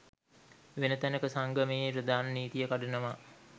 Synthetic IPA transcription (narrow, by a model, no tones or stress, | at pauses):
ʋenət̪ænəkəsaŋɡəmeepɾəd̪aːnəniːt̪ijəkaɖənəʋa